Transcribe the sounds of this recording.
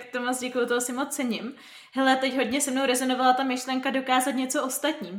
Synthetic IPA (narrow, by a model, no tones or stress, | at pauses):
kt̪omot͡sɟɛkujut̪oɦosɪmo̞t͡st͡sɛɲɪm | ɦɛlɛt̪ɛcɦo̞dɲɛsɛmnowɾɛzo̞no̞valat̪amɪʃlɛŋkado̞kaːzat̪ɲɛt͡soʔo̞st̪at̪ɲiːm